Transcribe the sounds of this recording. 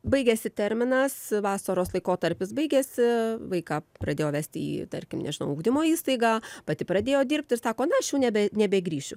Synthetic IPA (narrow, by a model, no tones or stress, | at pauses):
bɐɪɡʲɛsʲɪt̪ʲɛɾʲmʲɪnɐsʋɑːsɐɾoːslˠɐɪkoːt̪ɐɾʲpʲɪsbɐɪɡʲɛːsʲɪʋɐɪkɑːpɾɐd̪ʲeːjoːʋʲæːsʲt̪ʲɪḭːt̪ɐrʲkʲɪmnʲɛ̰ʒʲɪnɐ̰ʊʊɡd̪ʲɪmoːiːst̪ɐɪɡɑːpɐt̪ʲɪpɾɐd̪ʲeːjoːdʲiːrʲp̚ʲt̪ʲɪrsɑːkoːnɐɐʃjuːnʲɛbʲɛnʲɛbʲɛɡɾʲiːʃʲʊ